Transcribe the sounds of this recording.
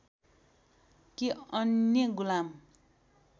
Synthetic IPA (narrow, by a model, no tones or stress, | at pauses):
kiʌnjʌɡulam